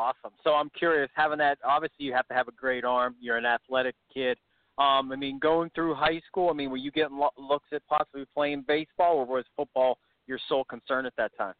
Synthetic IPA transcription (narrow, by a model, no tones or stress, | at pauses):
ɔsə̃msoʊãɪ̃mkʰj̥ʊɹiɨshævɪ̃ŋðɨt̚ɑbviɨslijɨhæftɨːvɨɡɹeɪɾɑɹmjə˞ɨ̃næθlɛɾɨkʰɪd̥ | ʌ̃maɪmĩnɡoʊɪ̃ŋθɹʉɦaɪskulˠaɪmĩnwɨ̃njɨɡɛɾn̩lʊksɨt̚pʰɑsəblipʰl̥eɪɪ̃ŋbeɪsb̥ɔlˠə˞wʌz̥fʊt̚b̥ɔlˠ | jə˞soʊkʰnsɜ̃˞nɨt̪̚ðɨtʰãɪ̃m